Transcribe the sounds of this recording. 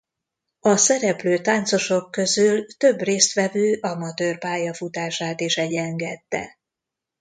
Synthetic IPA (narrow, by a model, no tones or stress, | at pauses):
ɒsɛɾɛpløːt̪aːnt̪so̞ʃo̞kːø̞zylt̪ø̞breːst̪ʋɛvøːʔɒmɒt̪øːrpaːjɒfut̪aːʃaːt̪eːʃɛɟɛŋɡɛt̪ːɛ̰